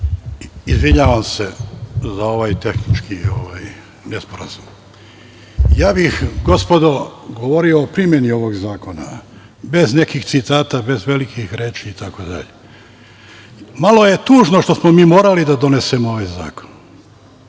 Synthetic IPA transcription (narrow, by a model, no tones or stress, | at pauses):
izʋiɲaːʋamsezao̞ʋajt̪e̞xnit͡ʃkioʋaj | nespoɾa̰zum | jaːbixɡo̞spo̞d̪o̞ɡo̞ʋoɾio̞ːpɾimje̞nio̞ʋo̞ɡzaːko̞na̰ | be̞zne̞kixt̪sit̪aːt̪abe̞zʋe̞likixɾeːt͡ʃiːt̪akod̪a̰ʎe | malo̞je̞t̪uːʒnoʃt̪o̞smo̞miːmoːɾalid̪ad̪o̞ne̞semooʋajza̰ːko̞̥n